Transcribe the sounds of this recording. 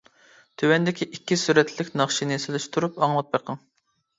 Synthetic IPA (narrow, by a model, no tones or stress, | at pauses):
t̪ʰøwɛnd̪ɪkʲʰiʔikʲːisyɾɛt̪ʰllɪkʲnɑχʃinɪselyʃt̪ʰuɾupɑŋlˠɑt̪̚bɑqʰːɑŋ